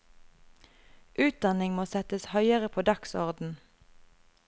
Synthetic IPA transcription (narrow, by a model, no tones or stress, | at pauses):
ʔʉːt̪̚d̪ɑnɪŋmoːsɛt̪əshœʏəʁəpʰoːd̪ɑksɔ̰ʁd̪n̩